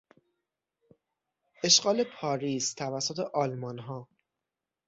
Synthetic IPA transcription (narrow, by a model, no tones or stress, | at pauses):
ʔe̞ʃɢɒːle̞pʰɒːɾiːst̪ʰævæsːot̪ʰe̞ʔɒːlmɒnɦɒː